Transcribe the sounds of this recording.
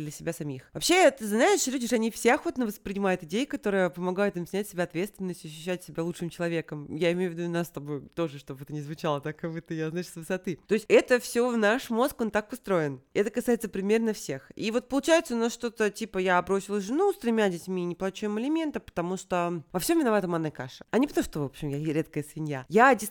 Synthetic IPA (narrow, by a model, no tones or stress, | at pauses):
d̪lʲəsʲɪbʲasɐmʲixvɐpɕeɛt̪ɨznaɪʂlʲudʲɪʂɐnʲifsʲeɐxot̪nəvəspɾʲɪnʲɪmajɪt̪ɪdʲejəkɐt̪o̞ɾɨjəpəmɐɡajɪt̪ɨmsʲnʲætʲsʲɪbʲaɐt̪vʲe̞t̪st̪vʲɪnːəsʲtʲɐɕ̬ːʉɕːætʲsʲɪbʲalˠut͡ʂʂɨmt͡ɕɪlˠɐvʲe̞kəmjaɪmʲejʊvʲɪd̪unast̪ɐbojt̪o̞ʐɨʂt̪o̞bɛt̪ənʲɪzvʊt͡ɕalˠət̪akːɐvɨt̪əjaznaɪʂsvɨsɐt̪ɨt̪o̞ɪsʲtʲɛt̪əfsʲovnaʂmo̞skont̪akʊst̪ɾo̞jɪnɛt̪əkɐsajɪt̪səpɾʲɪmʲe̞rnɐfsʲe̞xivo̞t̪̚pəlˠʊt͡ɕæjɪt̪səʊnasʂt̪o̞t̪ətʲipəjabɾo̞sʲɪlˠsʐɨnust̪ɾʲɪmʲadʲɪtʲmʲinʲɪplˠɐt͡ɕujɪmɪlʲɪmʲe̞nt̪əpə̥t̪ɐmuʂt̪ovɐfsʲomʲvʲɪnɐvat̪əmanakaʂə̥ɐnʲɪpət̪ɐmuʂt̪ovo̞pɕɪmjaɾʲe̞t̪̚kəjəsvʲɪnʲjajadʲɪs